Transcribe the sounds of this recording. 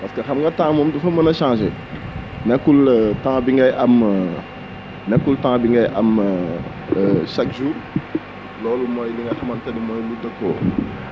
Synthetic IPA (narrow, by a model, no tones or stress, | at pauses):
pɐskɐxɐmŋɡɐtãːŋmɔmdufɐmənɐʃãːʃɛ | nɛkːultãŋbiŋɡɐjʔɐm | nɛkːultãːŋbiŋɡɐjʔɐm | ʃɐk̚ʒuːɾ | lɔːlumɔjliŋɡɐxɐmɐntɐnimɔjludɐko̰ː